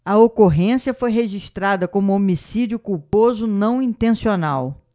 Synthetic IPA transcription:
ɐokoɦẽsiɐfojɦeʒiʃt̪ɾad̪ɐkõmʊomisid͡ʒiʊkuwpozʊnɐ̃w̃ĩnt̪ẽsionaw

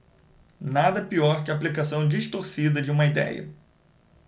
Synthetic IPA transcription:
nad̪ɐpiɔɾkɪaːplikasɐ̃w̃d͡ʒiʃt̪oɾsid̪ɐd͡ʒɪũmɐid̪ɛ̰jɐ̰

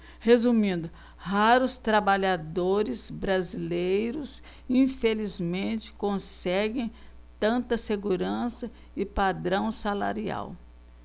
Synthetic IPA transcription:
hezumĩnd̪ʊ | haɾʊst̪ɾabaʎad̪oɾɪzbɾazilejɾʊs | ĩfelizmẽnt͡ʃɪ̥kõsɛɡẽj̃ | t̪ɐ̃nt̪ɐseɡuɾɐ̃sɐ | ɪpad̪ɾɐ̃w̃sala̰ɾia̰w

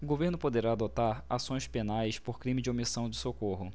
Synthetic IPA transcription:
ʊɡoveɾnʊpod̪eɾaːd̪ot̪aɾasõj̃spenajspoɾkɾĩmɪd͡ʒɪomisɐ̃w̃d͡ʒɪsokoɦʊ

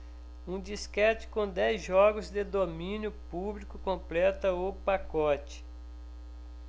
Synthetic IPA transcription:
ũd͡ʒiskɛt͡ʃɪ̥kõd̪ɛjzʒɔɡʊzd̪ed̪omĩnjʊpublikʊkõplɛt̪ɐʊpakɔt͡ʃɪ̥

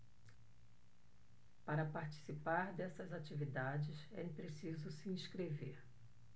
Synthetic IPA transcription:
paɾɐpaɾt͡ʃi̥sipaɾd̪ɛsɐzat͡ʃivid̪ad͡ʒɪsɛ̰pɾesizʊsiĩskɾeveɾ

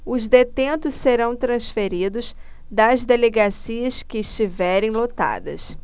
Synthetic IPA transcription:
ʊzd̪et̪ẽnt̪ʊsseɾɐ̃w̃t̪ɾɐ̃sfeɾid̪ʊs | d̪ɐzd̪eleɡasiɐskɪːʃt͡ʃivɛɾẽj̃lot̪a̰d̪ɐ̰s

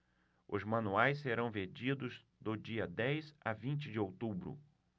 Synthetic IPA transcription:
ʊzmɐ̃nuajsːeɾɐ̃w̃veɾd͡ʒid̪ʊz | d̪ʊd͡ʒiɐd̪ɛjza̰vĩnt͡ʃɪd͡ʒɪowt̪ubɾʊ̰

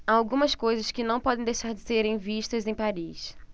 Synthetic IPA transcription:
aawɡũmɐskojzɐskɪnɐ̃w̃pɔd̪ẽd̪ejʃaɾd͡ʒɪseɾẽj̃viʃt̪ɐzẽj̃paɾis

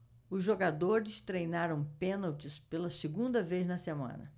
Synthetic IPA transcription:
ʊzʒoɡad̪oɾɪst̪ɾejnaɾɐ̃w̃pẽnawt͡ʃɪspelɐseɡũnd̪ɐvejznɐsemɐ̰̃nɐ̰

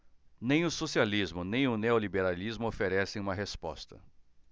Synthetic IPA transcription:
nẽj̃ʊsosializmʊnẽj̃ʊneolibeɾalizmʊofeɾɛsẽj̃ũmɐɦespɔ̰st̪ɐ̰

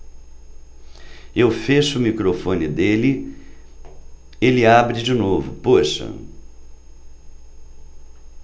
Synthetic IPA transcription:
ewfeʃʊːmikɾofõnɪd̪elɪ | elɪabɾɪd͡ʒɪnovʊ̰poʃɐ̰

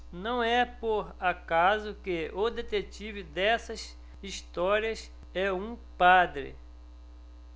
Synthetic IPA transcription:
nɐ̃w̃ɛpoɾakazʊkeʊd̪et̪et͡ʃivɪd̪ɛsɐs | ist̪ɔɾiɐs | ɛũpad̪ɾɪ̰

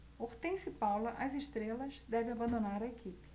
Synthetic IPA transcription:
oht̪ẽj̃sɪpawlɐʔɐzeʃt̪ɾelɐzd̪ɛvẽabɐ̃nd̪onaɾɐekipɪ̥

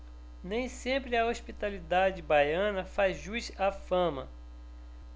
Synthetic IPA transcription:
nẽj̃sẽmpɾɪɐospit̪alid̪ad͡ʒɪbajɐ̃nɐfazʒujzafɐ̃mɐ̰

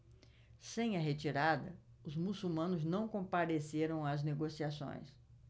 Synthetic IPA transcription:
sẽj̃ɐɦet͡ʃiɾad̪ɐ | ʊzmusumɐ̃nʊznɐ̃w̃kõmpaɾeseɾɐ̃w̃ɐzneɡosiasõ̰j̃s

